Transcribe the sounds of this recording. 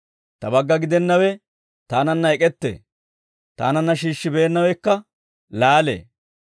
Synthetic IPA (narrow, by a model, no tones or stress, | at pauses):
t̪ɐbɐɡːɐɡɪd̪ɛnːɐwɛ | t̪aːnɐnːɐɛkʼɛt̪ːḛː | t̪a̰ːnɐnːɐʃ̬iːʃːɪbe̞ːnːɐwɛkːɐ | laːlḛː